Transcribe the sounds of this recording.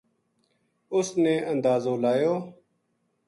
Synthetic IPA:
ʊsneːənd̪aːzoːlaːjoː

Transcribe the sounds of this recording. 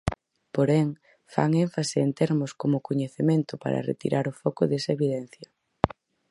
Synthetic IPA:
poɾɛŋ | fa̰ŋeɱfaseːnt̪eɾmʊskomʊkoɲeθemẽnt̪ʊpa̰ɾɐ̰rḛt̪ḭɾʔaɾʊfɔkʊðesɐeβiðɛn̟θjɐ

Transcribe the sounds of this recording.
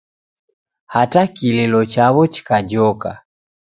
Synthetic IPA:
hatakilɛlɔt͡ʃaβɔt͡ʃi̥kad͡ʒɔka̰

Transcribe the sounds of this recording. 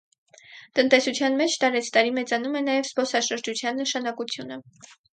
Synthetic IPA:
t̪ənt̪ɛsut͡sʰjɑnmɛt͡ʃʰt̪ɑɾɛt͡sʰt̪ɑɾimɛt͡sɑnumɛnɑjɛvspɔsɑʃəɾd͡ʒut͡sʰjɑnːəʃɑnɑkut͡sʰjunə

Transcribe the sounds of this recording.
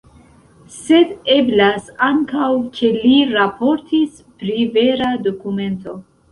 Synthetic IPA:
se̞de̞blasaŋkawkʰe̞liɾapo̞ɾtis | pɾive̞ɾado̞kume̞nto̞

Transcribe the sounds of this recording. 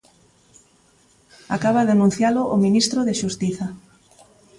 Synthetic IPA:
akaβaðanũn̟θjalʊʔominist̪ɾoðɪʃust̪iθa

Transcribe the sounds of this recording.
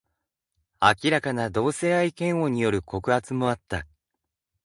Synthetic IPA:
akʲiɾakanad̪o̞ːse̞ːaikẽ̞ɰ̃o̞ɲ̟ijo̞ɾɯ̟ko̞kɯ̟hat͡sɨmo̞at̪ːa

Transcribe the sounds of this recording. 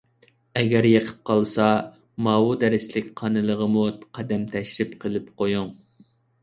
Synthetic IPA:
ɛɡʲɛɾjəqʰə̥p̚qʰɑlˠsɑ | mɑːwud̪ɛɾɪslɪkʲqʰɑnɨlˠəʁəmuqʰɑd̪ɛmt̪ʰɛʃlɪpqʰəlˠɪpqojuŋ

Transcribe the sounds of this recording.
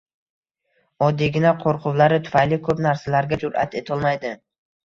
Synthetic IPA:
ɒd̪ːiɡʲɪnaqʰoɾqʰʊwlaɾɪt̪ʰʊ̥fajlɪkʰɵpnaɾsalaɾɡʲad͡ʒʊɾʔa̰t̪ʰe̞t̪ʰɒlˠmajd̪ɪ

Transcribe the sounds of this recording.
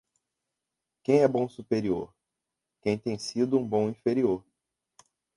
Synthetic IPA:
kẽj̃ɛbõsupeɾio̰ɾ | kẽj̃t̪ẽj̃sid̪ʊũbõw̃ĩfeɾioɾ

